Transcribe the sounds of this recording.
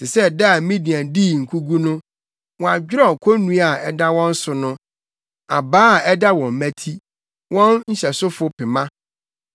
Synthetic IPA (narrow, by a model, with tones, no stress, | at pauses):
sɪ˨sɛ˦˨da˦a˨˦mĩ˦dĩ˨ã˨diː˦˨ŋ̩˨kʰu˦ɡu˦nʊ̃˦ | wɔ̃˨a˨d͡ʑᶣɪ˦ɾɔ˦˨kʰo˦nũ˦a˨ɛ˦da˦wɔ̃˦n̩˦sʊ˨nʊ̃˦ | a̰˨baː˦˨ɛ˦da˦wɔ̃˨m˨mæ̃˦tʰi˦ | wɔ̃˦nɲ̩˦ɕɛ˨sʊ˦fʊ˦pʰɪ˨mã˦